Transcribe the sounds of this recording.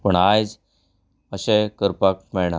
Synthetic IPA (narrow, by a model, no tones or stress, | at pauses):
pəɳajd͡z | əɕekəɾpak̚mɛɭɳa